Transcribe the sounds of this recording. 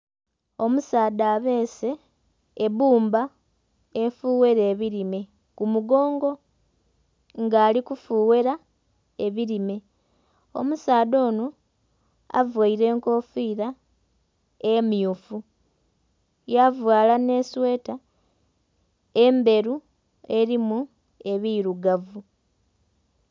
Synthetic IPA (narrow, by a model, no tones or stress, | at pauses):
o̞musaːdaːβe̞ːse̞ | eβuːmba | efuːwe̞ɾeːβiɾime̞ | kumuɡo̞ːŋɡo̞ | ŋɡaːlikufuːwe̞ɾa | e̞βiɾime̞ | o̞̰musaːdo̞ːno | a̰vwaiɾe̞ːŋko̞ːfiːɾa | emjufu | javwaːlane̞ːswe̞ːta | embe̞ɾu | e̞ɾimu | e̞βiɾuɡavu